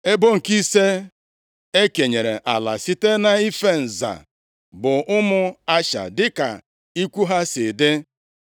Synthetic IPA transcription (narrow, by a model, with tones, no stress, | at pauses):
e˦bo˦ŋ̩˨ki˦se˦ | e˦ke˨ɲe˨ɾe˨ʔa˨la̰˨si˦te˦na˨i˦fe˦n̩˨za̰˨ | bʊ˨ʔʊ˦mʊ˦a˦ʃa̰˨dɪ˦ka̰˨ | i˦kʷu˦ɦa˦se˨de˦